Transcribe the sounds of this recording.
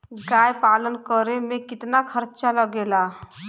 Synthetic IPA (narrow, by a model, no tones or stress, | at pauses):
ɡaːjpaːlənkəɾemẽkɪt̪nakʰəɾt͡ʃaləɡela